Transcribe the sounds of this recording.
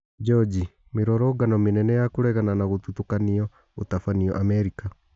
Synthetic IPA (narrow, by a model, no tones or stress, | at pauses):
d͡ʒɔd͡ʑi | meɾɔɾɔɡanɔmenɛnɛjakoɾɛɣananaɣot̪utokaniɔ | otafaniɔ̰ʔamɛɾika